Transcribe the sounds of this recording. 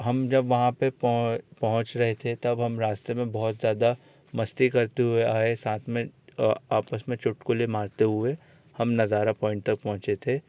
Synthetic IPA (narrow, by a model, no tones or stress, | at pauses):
ɦɐmd͡ʒɐbʋɐɦãpepɐpɐɦʊ̃t͡ʃɾɐɦet̪ʰet̪ɐbɦɐmɾaːst̪emẽbɔɦʊt̪zjaːd̪a | mɐst̪ikɐɾt̪eɦʊeaːesaːt̪ʰmẽaːpəsmẽt͡ʃʊʈkolemaːɾt̪eɦʊe | hɐmnɐzaːɾapɔːɪ̃ɳʈ̚t̪ɐk̚pɐɦʊ̃t͡ʃet̪ʰeː